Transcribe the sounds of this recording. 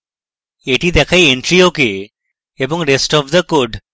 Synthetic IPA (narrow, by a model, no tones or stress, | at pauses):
eʈid̪ɛkʰajeɳʈɾioke | ebɔŋɾesʈɔbd̪əkoɖ